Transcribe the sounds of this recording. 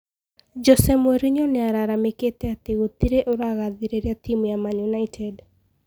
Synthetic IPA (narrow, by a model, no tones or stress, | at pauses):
d͡ʒɔsɛmweɾiɲɔnɛaɾaɾameket̪eat̪eɣot̪iɾeʔoɾaɣaðiɾeɾjat̪imjamanjunaitʰɛd